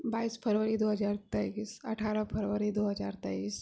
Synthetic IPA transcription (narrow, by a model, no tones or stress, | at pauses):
baiːspʰəɾʋəɾid̪oɦəd͡zaɾt̪əsəʈʰaɾapʰəɾʋəɾid̪oɦəd͡zaɾt̪əis